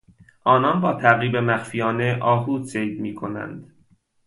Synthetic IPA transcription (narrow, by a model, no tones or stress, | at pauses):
ʔɒːnɒnbɒːt̪ʰæɣɾiːbemæxfijɒːne̞ʔɒːɦuːd̪sejd̪miːkʰo̞næ̰nd̪̥